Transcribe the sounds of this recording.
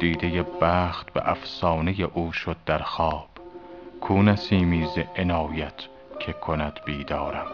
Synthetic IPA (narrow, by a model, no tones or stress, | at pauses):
d̪̥iːd̪ejebæːxt̪bḛʔæfsɒːnejeʔuːʃod̪̚ːæɾxɒːb̥kʰuːnæsiːmiːzeʔenɒːjæt̪ʰ | cʰe̞kʰonæd̪̥biːd̪ɒːɾæm